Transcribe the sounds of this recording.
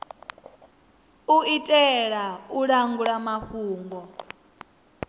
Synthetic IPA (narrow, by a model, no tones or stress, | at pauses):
uitʼɛɺauɺaŋɡuɺamahuːŋɡɔ